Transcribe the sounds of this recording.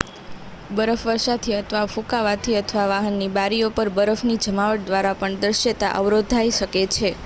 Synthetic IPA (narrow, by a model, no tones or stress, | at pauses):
bəɾəfʋəɾʃat̪ʰiət̪ʰʋafũkaʋat̪ʰiət̪ʰʋaʋaɦənːibaɾiopəɾbəɾəfnid͡ʒəmaʋəʈ̚d̪ʋaɾapəɳd̪əɾʃət̪a̰ʔəʋɾod̪ʱːajʃəket͡ʃʰe